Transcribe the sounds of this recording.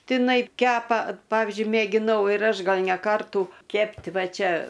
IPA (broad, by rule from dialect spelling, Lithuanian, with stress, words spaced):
tʲɪˈnɐɪ ˈkʲæːpɐ ˈpɑːʋʲɪzʲd͡ʒʲʊɪ mʲeːɡʲɪˈnɐʊ ɪr ˈɐʃ ˈɡɐlˠ nʲɛ ˈkɐrtuː ˈkʲɛpʲtʲ ˈʋɐ ˈt͡ʃʲɛ